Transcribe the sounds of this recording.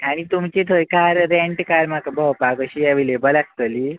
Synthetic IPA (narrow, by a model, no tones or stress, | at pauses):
aɽ̃it̪umt͡ɕet̪ʰəjkaɾɾẽɳʈkaɾmakbʱəwpaɡəɕijaʋilebəlast̪əli